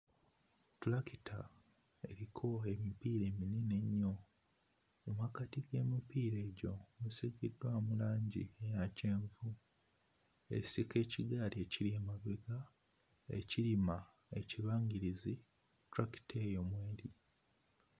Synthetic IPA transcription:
tulakitʰa | e̞̰ɾikʰo̞e̞mipiːɾe̞ːminine̞ɲːo | omakatiɡe̞ːmipiːɾe̞ːɟomeseɡedwamulaːɲɟḭejace̞ːɱvu | e̞̰isike̞ːciɡaːɾie̞ciliemaβeɡa | ḛcilima | e̞̰ciβaːŋɡiɾizi | tuɾaki̥tʰejomweːɾi

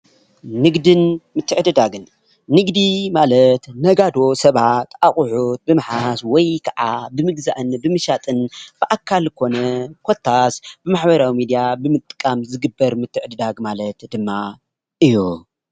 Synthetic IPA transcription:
nɨɡd̪ɨnmɨt̪ʰːɨʕd̪ɨd̪aɡɨnː | ɨɡd̪imalɐt̪nɐɡad̪o̞sɐβat̪ʔaχʼʊħut̪̚bɨmħaswɔjkʰaʕabɨmɨɡza̰ʔɨnbɨmɨʃat̪ʼɨnb̥ɨʔakʰːalkʰo̞nɐkʷʰo̞t̪ʰːasb̥ɨmaħbɐɾawimid̪jabɨmɨt̪ʼːɨ̥kʼamzɨɡɨbːɐɾmɨt̪ʰːɨʕd̪ɨd̪aɡmalɐt̪d̪ɨmːa | ʔɨju

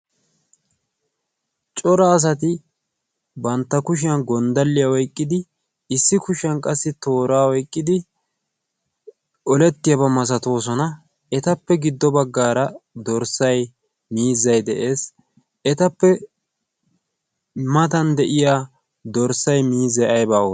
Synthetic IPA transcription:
t͡ʃʼɔɾɐːs̬ɐt̪ɪ | bɐnt̪ːɐkʊʃ̬ɪjɐnɡɔnd̪ɐlːɪjawɔjkʼːɪd̪ɪ | ɪsːɪkʊʃɐnkʼɐsːɪt̪o̞ːɾaːwɔjkʼːɪd̪ɪ | ɔlɛt̪ːɪjɐbɐmɐs̬ɐt̪o̞ːs̬ɔnɐ | ɛt̪ɐpːɛɡɪd̪ːɔbɐɡːaːɾɐd̪ɔɾsɐj | miːzːɐjd̪ɛʔe̞ːs | ɛt̪ɐpːɛ | mɐt̪ɐnd̪ɛʔɪjaː | d̪ɔɾsɐjmiːzɐjɐjbaːo

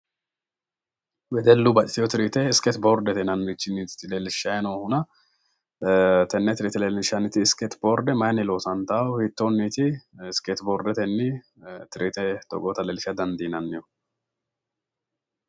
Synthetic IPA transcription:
wɛd̪ɛlːʊbɐt͡ʃʼɪt̪ɪjɔt̪ɪɾit̪ɛɪsket̪boːɾd̪ɛt̪ɛnɐnːit͡ʃːɪnːiːt̪t̪ːɪleːlɪʃɐjnohʊnɐ | t̪ɛnːɛt̪ɪɾɪt̪ɛlelɪʃɐnɪt̪ɪːskɛt̪boːɾd̪ɛmɐjnɪloːsɐnt̪ahit̪ːonːiːt̪ɪɪsket̪boɾd̪ɛt̪ɛnːɪ | t̪ɪɾʔit̪ɛt̪ɔ̰ɡʼoːt̪ɐlelɪʃɐd̪ɐnd̪inɐnːɪjɔ

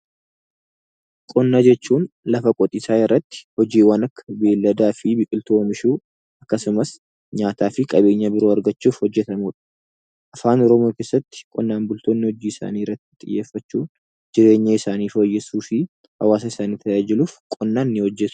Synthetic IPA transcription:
kʼɔnːaːd͡ʒɛt͡ʃːuːnlɐfɐkʼɔt̪ʼɪsaːjɛrːɐt̪ːɪ̥hɔd͡ʒiːwɐnɐkːɐ̥beːlːɐd̪aːfɪbɪkʼɪlt̪omɪʃuː | ɐkːɐsʊmɐs | ɲaːt̪aːfɪkʼɐbe̞ːɲːɐbɪɾoːɐɾɡɐt͡ʃːuːfhɔd͡ʒːɛt̪ɐmuːᶑɐ̥ | ʔɐfaːnɔɾɔmo̞ːkeːsːɐt̪ːɪ̥kʼɔnːaːnbʊlt̪o̞ːnːɪhɔd͡ʒiːɪsa̰ːniːɪɾːɐt̪ːɪ̥t̪ʼɪjːe̞ːfːɐt͡ʃːuː | d͡ʒɪɾe̞ːɲːɐɪsaːniːfoːjːɛsuːfɪ | hɐwaːs̬ɐɪsaːniːt̪ɐjaːd͡ʒɪluːfkʼɔnːaːnːɪhɔd͡ʒːɛt̪

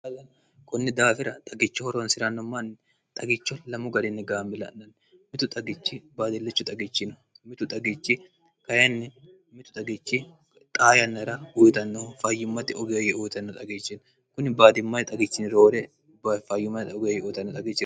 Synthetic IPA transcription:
ɐlɐn | kʼʊnːɪd̪aːfɪɾɐt̪ʼɐɡɪt͡ʃːɪhɔɾɔnsɪɾɐnːɔmːɐnː | t̪ʼɐɡɪt͡ʃːɔlɐmʊɡɐd̪ɪnːɛɡaːmːɪlɐ̰nːɐn | mɪt̪ʊt̪ʼɐɡɪt͡ʃːɪbaːd̪ɪlːɛt͡ʃːʊt̪ʼɐɡɪt͡ʃːɪn | mɪt̪ʊt̪ʼɐɡɪt͡ʃːɪ | kɐjɐnːɛ | mɪt̪ʊ̥t̪ʼɐɡɪt͡ʃːɪ | t̪ʼaːjɐnːɐɾɐʊjt̪ɐnːofɐjːʊmːɐt̪ːɪɔɡɪjjɛʔʊjt̪ɐnːɔt̪ʼɐɡɪt͡ʃːɪn | kʊnɪbaːd̪ɪmːɐjt̪ʼɐɡɪt͡ʃːɪnɪɾo̞ːɾɛ | bafɐjːʊmːɐjt̪ɔɡjɛujt̪ɐnːɔt̪ʼɐɡɪt͡ʃːɪ

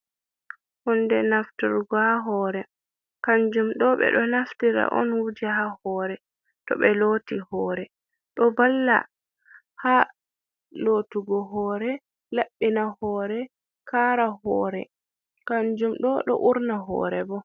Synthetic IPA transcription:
hɔndɛnaftiɾɡɔhaɦɔːɾɛ | kaɲd͡ʒumɗɔɓɛ̰ɗɔnaftiɾa̰ʔɔ̰nwud͡ʒiɦahɔːɾɛ | tɔɓɛlotihɔːɾɛ | ɗɔbalːa̰ | ha | lotuɡɔɦɔːɾɛ | laɓːinahɔːɾɛ | kaɾahɔːɾɛ | kaɲd͡ʒumɗɔɗɔ̰ʔuɾnaɦɔ̰ːɾɛbɔ

